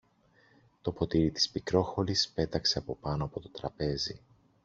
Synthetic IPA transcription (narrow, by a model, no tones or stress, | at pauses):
t̪o̞po̞t̪iɾit̪i̥spikɾo̞xo̞lispe̞t̪ɐkse̞ɐpo̞pɐno̞ɐpo̞t̪o̞t̪ɾɐpe̞zi